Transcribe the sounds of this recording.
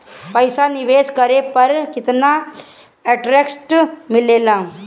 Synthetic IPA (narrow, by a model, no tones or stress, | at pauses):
pəjsaniʋeskəɾepəɾkit̪na | ɛʈɾeksʈmilela